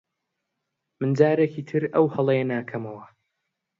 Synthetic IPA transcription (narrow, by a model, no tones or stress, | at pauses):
mɨnd͡ʒaːɾekiːt̪ʰɨɾɐwhɐlˠejɛnaːkʰɐmɐwɐ